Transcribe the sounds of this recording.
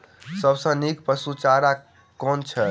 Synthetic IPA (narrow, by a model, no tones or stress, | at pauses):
səbsə̃nikpəsut͡ʃaɾa | kɔnt͡ʃʰɛ